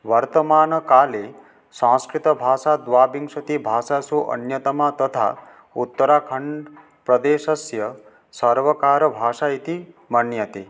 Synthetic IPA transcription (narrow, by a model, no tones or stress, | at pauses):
wʌɾt̪əmaːnʌkale | sãskɾit̪ʌbʱaːsad̪ʋaːbiŋsut̪ibʱaːsasoʔʌ̰njʌt̪ɐmat̪ʌt̪ʰa̰ | ut̪ːəɾakʰʌɳɖ | pɾʌd̪esʌsjʌ | sʌɾʋʌkaɾʌbʱasait̪i | mʌnːjʌt̪i